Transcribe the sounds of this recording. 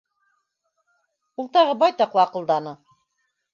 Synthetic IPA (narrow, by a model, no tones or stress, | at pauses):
ulˠt̪ɑʁɤbɑjt̪ɑqlˠɤɑqɤ̆lˠd̪ɑnɤ